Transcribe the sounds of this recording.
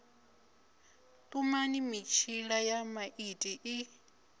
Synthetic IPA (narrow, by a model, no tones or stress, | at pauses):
tʼumanimit͡ʃʰiɺajamaʔitʼiʔi